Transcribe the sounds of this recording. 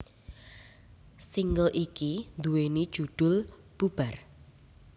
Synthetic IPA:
siŋɡəlʔikind̪uwenid̥ʒ̥ṳd̪̥ʊ̤l | b̥ub̥ar

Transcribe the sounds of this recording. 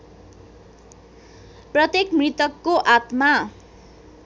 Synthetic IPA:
prʌt̪ekmrit̪ʌkːoʔat̪ma

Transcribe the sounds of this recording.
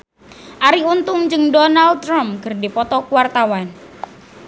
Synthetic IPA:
ʔaɾiunt̪ʊŋd͡ʒɨŋdɔnald̪̚ɾamkɨrdipɔt̪ɔkuwart̪awan

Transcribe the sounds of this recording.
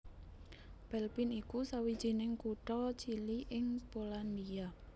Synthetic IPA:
b̥ɛlpinikusawid̥ʒ̥i̤nɪŋkuʈɔt͡ʃiliʔɪŋpoland̪ia

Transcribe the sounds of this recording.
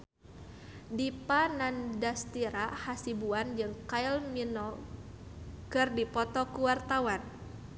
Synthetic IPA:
dipanandast̪iɾahasibuand͡ʒɨŋkailminɔ | kɨrdipɔt̪ɔkuwart̪awan

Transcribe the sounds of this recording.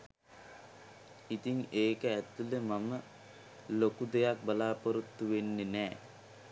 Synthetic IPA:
it̪iŋeːkəæt̪ːuləmamə | lokud̪ejak̚balaːpoɾut̪ːuʋenːenɛː

